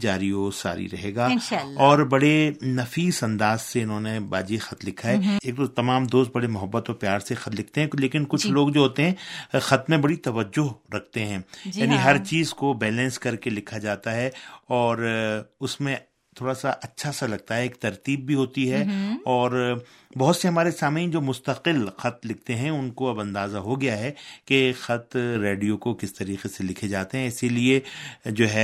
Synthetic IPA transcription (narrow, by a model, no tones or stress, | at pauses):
d͡ʒaːɾiosa̰ːɾḭɾɐɦeːɡaːʃaɔːɾbɐɽenɐfiːsɐ̃nd̪aːzseɪnɦõːneba̰ːd͡ʒixɐt̪lɪkʰːaɦɛeːk̚d̪oːt̪ɐmaːmd̪oːst̪̚bɐɽemʊɦəbːət̪ɔːɾpjaːɾsexɐt̪lɪkʰt̪eɦɛ̃leːkɪnkʊt͡ʃʰloːɡd͡ʒoɦoːt̪eɦɛ̃ːxɐt̪mẽbɐɽit̪ɐʋəd͡ʒːʊɦɾɐk̚ʰt̪eɦɛ̃jaːniɦɐɾt͡ʃiːzkobɛːlɛ̃nskɐɾkelɪkʰad͡ʒaːt̪aɦɛɔːɾʊsmẽ | t̪ʰoːɽasaʔɐtːʃʰasalɐɡ̚t̪aɦɛeːkt̪ɐɾt̪iːbːʱiɦoːt̪iɦɛɔːɾ | bɐɦʊt̪seɦɐmaːɾesaːmĩd͡ʒoːmʊst̪ɐqɪlxɐt̪lɪk̚ʰt̪eɦɛ̃ʊnkoɐbɐ̃nd̪aːzaɦoɡɐjaɦɛkexɐt̪ɾeːɖijokokɪst̪ɐɾiːqeselɪkʰed͡ʒaːt̪eɦɛ̃ɪsilied͡ʒoːɦɛ